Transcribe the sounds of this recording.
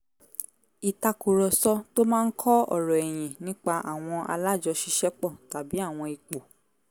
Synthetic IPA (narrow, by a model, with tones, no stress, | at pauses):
i˨ta˧ku˨ɾɔ˨sɔ˦to˦mãː˦˧n̩˦kʰɔ˦ɔ̰˦˨ɾɔ˨ɛ˨j̃ĩ˨nĩ˦k͡pa˧ʔa̰˨w̃ɔ̃˧ʔa̰˧la˦d͡ʒɔ˧ʃi˧ʃɛ˦k͡pɔ˦˨ta˨bi˨˦a˦˨w̃ɔ̃˧i˨k͡po˨